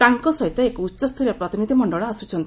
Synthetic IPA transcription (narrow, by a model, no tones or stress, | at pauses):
t̪aŋkɔsɔɦit̪ɔekɔutːt͡ʃɔst̪ʰuɾjɔpɾɔt̪inid̪ʱimɔɳɖɔɭɔasut͡ʃʰɔnt̪